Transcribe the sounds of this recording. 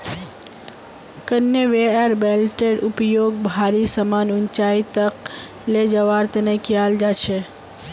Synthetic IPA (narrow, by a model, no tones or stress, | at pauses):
kənjəʋeəɾbelʈeɖupjoɡ̚bʱaɾisəmanʊnt͡ʃait̪ək | led͡ʒəʋaɾt̪ənekʰjald͡ʒat͡ʃʰe